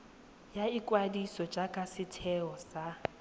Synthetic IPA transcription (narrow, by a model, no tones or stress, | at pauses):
jaikʼwadisɔd͡ʒʼakʼasɪtʰɛɔsa